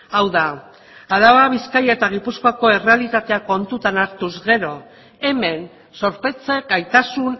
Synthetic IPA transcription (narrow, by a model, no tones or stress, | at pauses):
awða | aðaβaβiskajaet̪aɣ̞ipuskoako̞e̞realit̪at̪e̞ako̞nt̪ut̪anaɾt̪uzɣe̞ɾo̞ | e̞me̞n | so̞ɾpe̞t͡seɡajt̪asun